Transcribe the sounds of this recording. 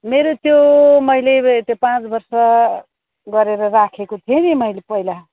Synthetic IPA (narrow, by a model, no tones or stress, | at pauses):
meɾot̪jomʌjlet̪jopãt͡sbʌrsʌ | ɡʌɾeɾʌrakʰekot̪ʰienimʌjlepʌjla